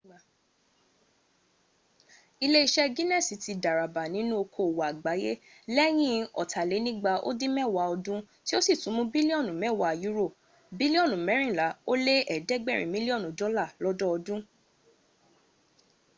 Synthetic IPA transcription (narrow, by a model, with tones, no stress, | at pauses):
i˧le˦i˧ʃɛ˦ɡĩ˦nɛ˦˨si˨˦ti˧da˨ɾa˨ba˨nĩ˨˦nũ˦o˧kʰo˨wa˨ɡ͡ba˨˦je˦ | lɛ˦j̃ĩ˦ɔ̰˨tʰa˨le˨˦nĩ˦ɡ͡ba˧ʔo̰˦dĩ˦mɛ̃˦˨wa˧˦ɔ˧dũ˦ | ti˦o˦si˦˨tũ˨˦mũ˦bi˦li˦ɔ˦˨nũ˨mɛ̃˦˨wa˨ju˦ɾo˦˨ | bi˦li˦ɔ˦˨nũ˨mɛ̃˨˦ɾ̃ĩ˦˨la˨˦o˦le˦ɛ˦˨dɛ˦ɡ͡bɛ˦˨ɾ̃ĩ˨mĩ˦li˦ɔ˦˨nũ˨dɔ˦la˦˨lɔ˦dɔ˦ɔ˧dũ˦